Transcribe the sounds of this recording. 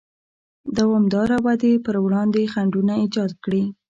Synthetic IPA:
d̪awɑmd̪ɑɾawad̪epəɾwɽɑnd̪exaɳɖunaid͡ʒɑd̪kɽi

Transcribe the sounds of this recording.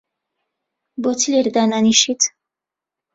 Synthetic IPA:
bɔt͡sʰilɛɾd̪ananiʃit͡sʰ

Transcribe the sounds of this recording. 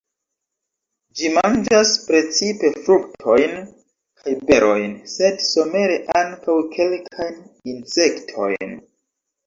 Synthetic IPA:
d͡ʒimand͡ʒaspɾe̞t͡sipe̞fɾuktʰo̞jn | kʰajbe̞ɾo̞jnse̞dso̞me̞ɾe̞ʔaŋkawkʰe̞lkʰajninse̞ktʰo̞̰jn

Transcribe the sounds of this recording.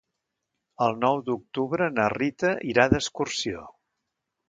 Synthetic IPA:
əlˠnɔwd̪uk̚t̪uβɾənərit̪əʔiɾaðəskursio

